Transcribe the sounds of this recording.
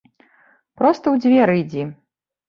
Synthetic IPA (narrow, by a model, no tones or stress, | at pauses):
pɾɔst̪ɐwd͡zʲvʲɛɾɨjd͡zʲi